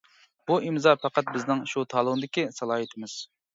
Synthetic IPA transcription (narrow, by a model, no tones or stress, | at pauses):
buʔimzɑpʰæqɑt̪̚bɪznɪŋʃut̪ʰɑːlˠʊʁnɨd̪ɪkʲisɑlˠɑːɦɨt̪ʰɪmɪz̥